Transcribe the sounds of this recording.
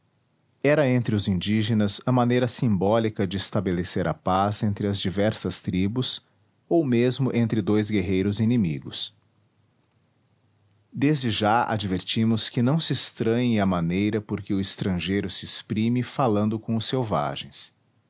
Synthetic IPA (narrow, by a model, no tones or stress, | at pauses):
ɛɾɐẽnt̪ɾɪʊzĩd͡ʒiʒenɐzɐmɐ̃nejɾɐsĩmbɔlikɐd͡ʒɪɪst̪abeleseɾʔɐpazẽnt̪ɾɪɐzd͡ʒivɛɾsɐst̪ɾibʊs | owmezmʊʔẽnt̪ɾɪd̪ojzɡeɦejɾʊzinimiɡʊs | d̪ezd͡ʒɪʒaa̰d͡ʒiveɾt͡ʃĩmʊskɪnɐ̃w̃sɪest̪ɾɐ̃ɲẽj̃ɐmɐ̃nejɾɐpoɾkɪʊɪst̪ɾɐ̃ʒejɾʊsɪespɾĩmɪfalɐ̃nd̪ʊkõʊsːewva̰ʒḛ̃j̃s